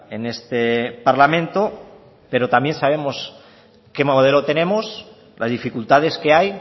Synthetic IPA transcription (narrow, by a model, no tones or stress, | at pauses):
enest̪epaɾlamẽnt̪o | pe̞ɾot̪ambje̞nsaβ̞e̞mos | kemoð̞elot̪e̞ne̞mos | lʔazðifikult̪að̞e̞ske̞aj